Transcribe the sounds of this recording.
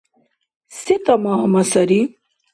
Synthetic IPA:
sit̪ɐmɐɦɐmɐsɐɾi

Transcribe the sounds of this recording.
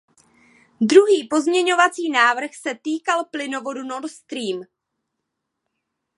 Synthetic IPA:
d̪ɾuɦiːpo̞zmɲɛɲo̞vat͡siːnaːvr̩xsɛt̪iːkalplɪno̞vo̞duno̞ɾt̪st̪ɾiːm

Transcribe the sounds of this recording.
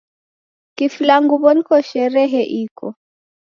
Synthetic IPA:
kiflaŋɡuβɔnkɔʃɛɾɛɦɛʔikʰɔ̰

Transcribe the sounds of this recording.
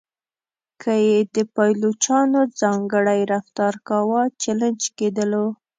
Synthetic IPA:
kʰəjed̪əpajlot͡ʃɑnod͡zɑŋɡəɽajɾaft̪ɑɾkɑwɑt͡ʃaland͡ʒked̪əlo

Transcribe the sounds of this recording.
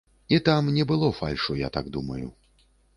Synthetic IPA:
it̪amnʲɛbɨlˠɔfa̰lʲʂuja̰t̪a̰ɡd̪umɐjṵ

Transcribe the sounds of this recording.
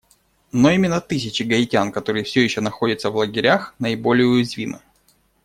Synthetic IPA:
noimʲɪnːət̪ɨsʲɪt͡ɕɪɡɐɪtʲankɐt̪o̞ɾɨjəfsʲɵjɪɕːonɐxo̞dʲɪt̪səvlˠəɡʲɪɾʲaxnəɪbo̞lʲɪjʊjɪzvʲimɨ̰

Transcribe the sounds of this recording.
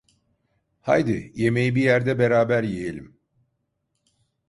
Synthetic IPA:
ha̰jd̪ije̞me̞jibijæɾd̪ɛbe̞ɾaːbæɾjejelʲim

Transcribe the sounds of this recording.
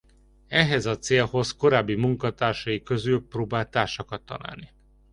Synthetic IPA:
ɛɦɛzɒt̪seːlho̞zko̞ɾaːbːimuŋkɒt̪aːrʃɒjikø̞zylproːbaːlt̪aːrʃɒkɒt̪ːɒ̰na̰ːlni

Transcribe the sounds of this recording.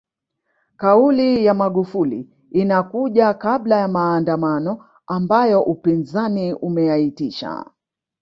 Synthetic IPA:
kaulijamaɠufuliː | nakuʄakaɓlajamaːndamanɔ | ambajɔʔupinzaniumɛjaitiʃa̰

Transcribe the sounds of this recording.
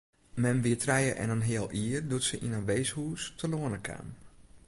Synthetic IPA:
mɛmʋiətʰrɛjəʔɛ̰nənɦɪəlˠʔiərdutsəʔinənʋeːshuːstʰəloənəkʰa̰ːm

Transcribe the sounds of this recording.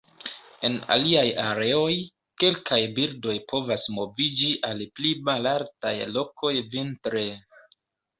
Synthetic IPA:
e̞na̰liajaɾe̞o̞j | ke̞lkajbiɾdo̞jpo̞vasmo̞vid͡ʒiʔalplimalaɾtajlo̞kʰo̞jvintɾe

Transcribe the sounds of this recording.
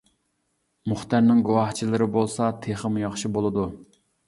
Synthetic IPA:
muχt̪æɾnɪŋɡuwɑht͡ʃʰilˠɨɾɪbolˠsɑt̪ʰeχəmujɑχʃibolˠɨd̪u

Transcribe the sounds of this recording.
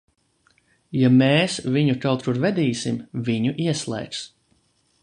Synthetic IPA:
jameːsvʲiɲuk̪awt̪ɾuɾvɛd̪iːsimviɲuʔiɛslˠɛ̰jks

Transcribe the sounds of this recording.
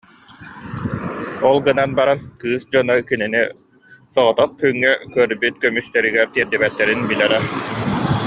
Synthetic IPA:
ɔlˠɡɯnanbaɾankɯːsd͡ʑɔnɔkinini | sɔʁɔt̪ɔχ̚kyŋːɛkœɾbyt̪kœmyst̪ɛɾiɡɛɾt̪iɛɾd̪ibɛt̪ːɛɾinbilɛɾɛ

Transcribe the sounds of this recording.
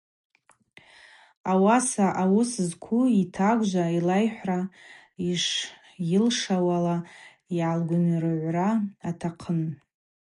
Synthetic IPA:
awasaʔawʊszkʷʰuitʰakʷʒʷailajħʷra | iʂ | jɪlʂawala | ialɡʷʊnrɨʕʷraatʰaqʰən

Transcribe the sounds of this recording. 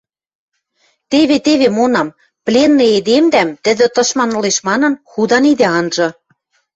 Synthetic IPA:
t̪eβet̪eβemonɑm | plʲenːɤ̆ed̪emd̪æmt̪ɘ̆d̪ɘ̆t̪ɤ̆ʃmɑnŏleʃmɑnɤ̆nxud̪ɑnid̪ĕɑnʒɤ̆

